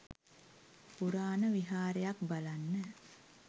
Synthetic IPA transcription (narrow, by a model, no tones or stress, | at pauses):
puɾaːnəʋiɦaːɾejakbalanːə